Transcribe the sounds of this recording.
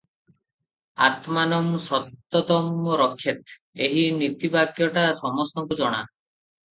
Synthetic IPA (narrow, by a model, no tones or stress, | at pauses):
a̰t̪manɔmsɔt̪ːɔt̪ɔmɾɔkʰːjet̪ | eɦinit̪ibaɡjɔʈasɔmɔst̪ɔŋkud͡ʒɔɽ̃a̰